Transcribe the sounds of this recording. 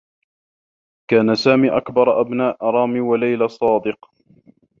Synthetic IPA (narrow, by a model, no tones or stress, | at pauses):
kaːnasaːmiːʔakbɑɾˤʔabnaːʔɾˤɑːmiːwalajlasˤɑːd̪ɨq